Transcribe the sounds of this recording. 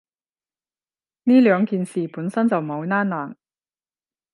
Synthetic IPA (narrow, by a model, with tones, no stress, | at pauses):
niː˥lœː˨˧ŋkiː˨nsiː˨puː˨˥nsɐ˥nt͡sɐ˨wmo˨˧wnaː˥nːaː˨˩ŋ